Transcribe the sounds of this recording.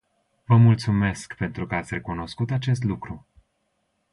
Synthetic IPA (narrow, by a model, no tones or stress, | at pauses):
vəmult̪sume̞skpe̞nt̪ɾukəat̪sʲre̞kuno̞skut̪at͡ʃe̞s̬t̪lukɾu